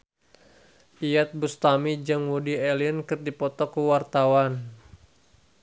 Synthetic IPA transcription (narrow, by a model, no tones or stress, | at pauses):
ʔijat̪̚bust̪amid͡ʒɨŋwudiɛlinkɨrdipɔt̪ɔkuwart̪awan